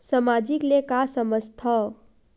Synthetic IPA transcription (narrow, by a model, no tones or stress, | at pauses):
səmad͡ʒiklekasəməst̪ʰə